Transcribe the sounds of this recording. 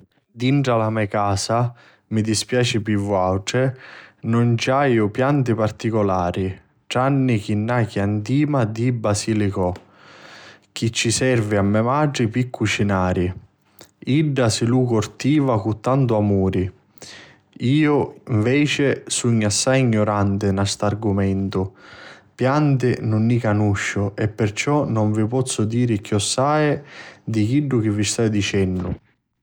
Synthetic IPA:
d̪iɳʈɾalamɛkaːsa | mid̪ispjaːt͡ʃɪpivuawʈɪnʊnt͡ʃajʊpjant̪ipart̪ikɔlaːɾi | ʈanːik̟inːak̟iant̪iːmad̪ibːasiːlikʊ | k̟it͡ʃːisɛrviamːɛmaɖipikʰːut͡ʃinaːɾi | iɖːasɪlukʊrt̪iːvakut̪ːant̪uamuːɾi | iːʊiɱvɛːt͡ʃɪsuɲːasːajiɲːoɾant̪ɪnast̪arɡumɛnt̪ʊpjant̪̬ɪnʊnːikanuʃːʊʔɛpːɪrt͡ʃɔnʊɱvipɔt̪sːʊd̪iːɾɪk̟jɔsːaːjd̪ik̟iɖːʊk̟ɪvːist̪ajd̪it͡ʃɛnːʊ̰

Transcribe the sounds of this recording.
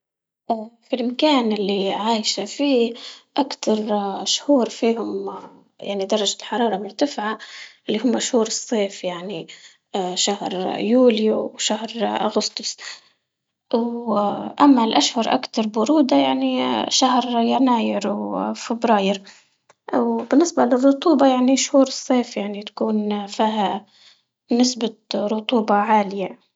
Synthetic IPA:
ʔafilʔɪmkaːnɪlːiʕaːjʃafiːʔakt̪ʰɑɾˤʃhuːɾfiːhʊm | ja̰ʕnid̪ɑrˤːɑd͡ʒalħɑɾˤɑːɾˤɑmʊɾt̪afɪʕaʔɪlːiɦʊmːaʃhuːɾɨsˤːeːfjaʕni | ʃahɾjuːljuwʃahɾʔaɣʊst̪ʊs | wʔamːalʔaʃhʊɾˤʔa̰kt̪ɑɾˤbʊɾuːd̪ajaʕniʃahɾjanaːjɪɾwfɪbɾɑːjɪɾ | wbɪnːɪsbalɪrˤːʊt̪ˤuːbɑjaʕniʃhuːɾɨsˤːeːfjaʕnit̪ḁkuːnfiːɦa | nɪsbaɾʊt̪ˤuːbɑʕaːlɪja

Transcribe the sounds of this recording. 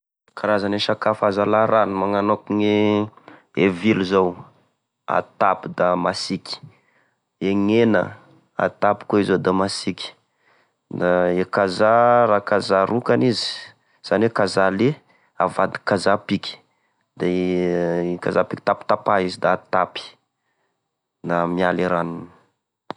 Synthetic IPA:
kʰaɾazaneʃakafazalaɾanimaŋanokuŋe | eviluzow | a̰t̪apid̪amasikʲi̥ | eŋenə̰ | a̰t̪apu̥koizod̪amasikʲi̥ | d̪aekazaɾakazaɾukanizi̥ | z̥anekazale | avad̪i̥kazapikʲi̥ | d̪̥e | kazapikit̪api̥t̪apaizid̪aːt̪api̥ | namialiɾanunə̥

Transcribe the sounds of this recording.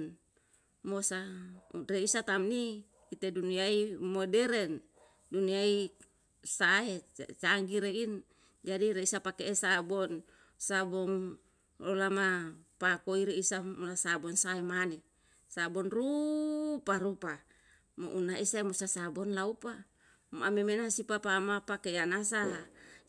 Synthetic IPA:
n | mosareisat̪amni | it̪eduniaimodɛɾɛn | duniai | saet͡ʃaŋɡiɾein | d͡ʒadiɾeisapakeesabɔn | sabɔŋ | olamapakoiɾeisamulasabɔnsaemane | sabɔnru | paɾupa | mo̰ʔunaisaimusasabɔnlaupa | mamemenasipapamapakeanasala

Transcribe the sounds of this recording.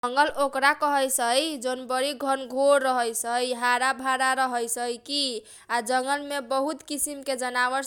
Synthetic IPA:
ŋɡəlokɾakəɦəjsəjd͡ʒonbəɾiɡʱʌnɡʱoɾːəɦəjsəjɦaɾabʱaɾaɾəɦəjsəjki | ad͡ʒəŋɡəlmebəɦut̪kisimked͡ʒənaβəɾ

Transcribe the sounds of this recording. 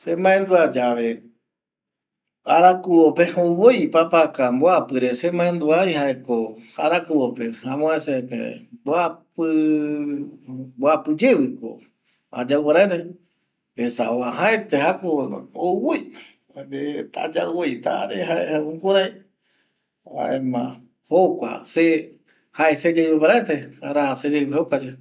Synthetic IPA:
semãẽnd̪uad͡ʒaʋe | aɾakuwopeowojpapakamboapɨɾesemãẽnd̪uajhaekoaɾakuwopehãmõesekḛboapɨ | boapɨd͡ʒeβɨko̰ | a̰d͡ʒawwaɾaet̪e | esawaɦaet̪eɦakoowoj | det̪a̰d͡ʒawojt̪a̰ɾeɦaehaukoɾaj | ha̰ʔemã | hokʷa̰se | haʔesed͡ʒewopaɾaet̪eaɾased͡ʒehokʷad͡ʒe

